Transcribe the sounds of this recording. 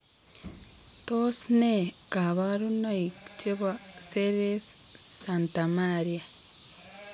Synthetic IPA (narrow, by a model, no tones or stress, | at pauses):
tosnekaβaɾunoikciβwaseɾes | santamaɾia